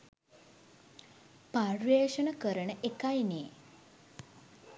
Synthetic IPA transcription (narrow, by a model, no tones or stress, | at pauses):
parʋeːʃənəkəɾəɳəʔekajneː